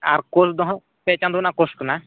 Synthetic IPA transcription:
a̰ɾkosd̪ɔɦ | pɛt͡ʃãnd̪unakoskuna

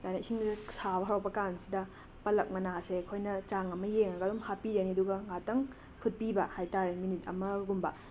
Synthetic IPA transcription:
kajnɐisiŋsabɐɦaɾawpɐkansidɐ | pɐlɐk̚mɐnasekʰojnɐt͡ʃaŋɐmɐjeŋnɐɡɐdomhapiɾeniɐduɡɐŋatɐŋ | pʰut̚pibɐhajtaɾeminit̚ɐ̰mɐɡumbɐ

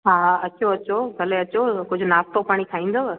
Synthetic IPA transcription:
ɦaːɐt͡ɕoɐt͡ɕoɡʱɐleɐt͡ɕokʊd͡ʑʱʊnaːst̪opaːɽ̃ik̪ʰaːĩːnd̪o

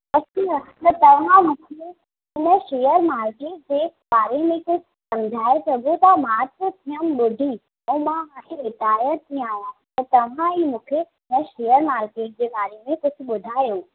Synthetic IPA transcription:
ɐəɐt̪ɐt̪ɐʋ̤ãmũːkʰe | ɪnəʃeːjəɾmaːɾkeːʈ̚d͡ʑeːɓaːɾemẽkʊd͡ʑʱʊsɐ̃md͡ʑʱaːesɐɡʱot̪ɐmaːt̪ət̪ʰiəmɓʊɖʱi | ɛ̃mãɦaːẽɪt̪aːjət̪ĩaːjat̪ɐt̪ɐʋ̤ãiːmũːkʰe | ɪnəʃeːjəɾmaːɾkeːʈ̚d͡ʑeːɓaːɾemẽkʊd͡ʑʱʊɓʊd̪ʱaːjo

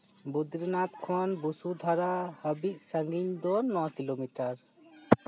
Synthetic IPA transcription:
bud̪ɾnat̪kʰanbusud̪ʱaɾahəbic̚səŋɡiɲd̪ɔnːɔwakilomiʈaɾ

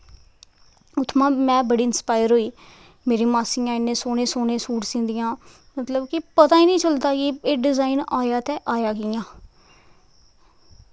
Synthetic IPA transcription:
ʊt̪ʰːmãːmɛ̃ːbəɽiːɪnspaːɪəɾɦoːiː | meːɾiːmaːsiːãːɪnːẽːsoːnẽːsoːnẽːsuːʈsɪ̃ːnd̪ɪjãː | mət̪ləbkɪpət̪ãːiːnĩːt͡ʃəld̪aːkieːɖɪzaːinaːjaːt̪ɛːʔaːjaːkijãː

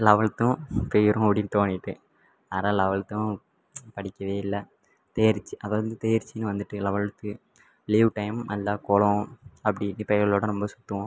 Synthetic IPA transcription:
lɐʋɐɭt̪ːʊ̃pɛjɪɾʊ̃ɽɪnt̪oːnːɪʈːɯ | aːnãːlɐʋɐɭt̪ːʊ̃ | pɐɽɪkʲːɐʋeːɪlːɐ | t̪eːɐɾt͡ʃːiʔɐðɐɾɐnd̪ɯt̪eːɾt͡ʃːinːɯʋɐnd̪ɯʈːɯlɐʋɐɭt̪ːɯ | liːʋʈɐɪmnɐlːaːkɔlɐ̃ɐpːɐɽɪnːɯpɛjɣɐloːɽɐnɔmbɐsʊ̥t̪ːɯʋʊ̃

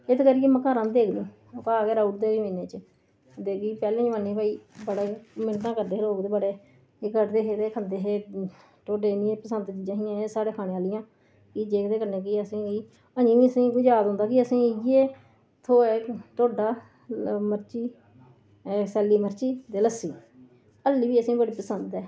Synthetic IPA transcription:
ɪt̪ːkəɾiːeːməkaːɾãːd̪eːkʰnĩː | oːkaːkɛːɾauʈ̚d̪eːimĩːneːt͡ʃə | d̪eːkiːpɛːlẽːd͡ʒʋãːniːpaːiːbəɽaːmɪnt̪ãːkəɾd̪eːloːkd̪eːbəɽeː | ɪkəʈd̪eːɦeːt̪eːkʰənd̪eːɦeː | ʈoːɖeːnĩːeːpəsənd̪t̪iːd͡ʒãːɦiːãːesaːɽeːkʰaːneːaːlɪjãː | iːd͡ʒeːkd̪eːkəɾneːk̬iəsĩːiː | əɲĩːʋiːəsĩːɡʊd͡ʒaːt̪ʊ̃nd̪aːkɪəsĩːeː | t̪ʰoːɛːʈoːɖaː | məɾt͡ʃiː | sɛːliːməɾt͡ʃiːd̪eːləsːiː | əlːiːʋiːəsĩːbəɽiːpəsənd̪ɛː

